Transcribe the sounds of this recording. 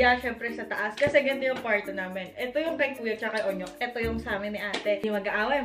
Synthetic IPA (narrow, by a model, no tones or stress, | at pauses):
jaʃɛmpɾɛsɐt̪ɐʔaskɐsɛɡɐnt̪ojʊŋpaɹt̪onaːmɛnʔɛt̪ojʊŋpɛɡ̚t̪uːjɐɡ̚t͡ʃɐkɐjʔoɲok̚ʔɛt̪ojʊŋsaːmɪnɪʔaːt̪ɛɪmɐɡɐʔaːwɐj